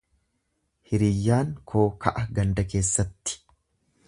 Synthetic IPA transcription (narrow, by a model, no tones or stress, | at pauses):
hɪɾɪjːaːŋkʰoːkʰɐ̰ʔɐɡɐnd̪ɐke̞ːsːɐt̪ːɪ̥